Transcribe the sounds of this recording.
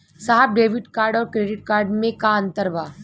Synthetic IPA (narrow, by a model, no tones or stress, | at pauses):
saɦəb̚ɖeːʋɪʈkaːɾɖɔːɾkɾeːɖɪʈ̚kaːɾɖmẽkaɐ̃nt̪əɾbaː